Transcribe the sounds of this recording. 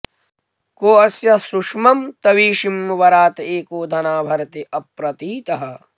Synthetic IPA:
koːɐsjɐsuʂmɐmt̪ɐʋiːʃimʋɐɾaːt̪eːkoːd̪ʱɐnaːbʱɐɾɐt̪iʔɐpɾɐt̪iːt̪ɐɦɐ̆

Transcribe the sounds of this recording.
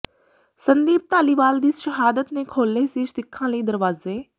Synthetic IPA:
sɐnd̪iːb̚t̪aːliʋaːld̪iːsʃɐɦaːd̪ət̪nẽːkʰoːlːeːsiːʃd̪ɪkʰːãːlɐiːd̪ɐɾʋaːzeː

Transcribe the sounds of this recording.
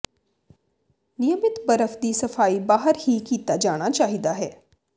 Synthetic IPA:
nɪjəmɪt̪bɐɾəfd̪isɐfaːibaːɦəɾhikiːt̪ad͡ʒaːɽ̃at͡ʃaːɦid̪aɦɛː

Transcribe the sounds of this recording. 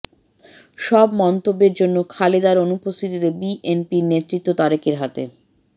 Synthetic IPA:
ʃɔbmɔnt̪obːeɾd͡ʑonːokʰaled̪aɾonupːost̪ʰit̪it̪ebiʔenpiɾnet̪ɾit̪ːot̪ɔɾekeɾɦat̪ḛ

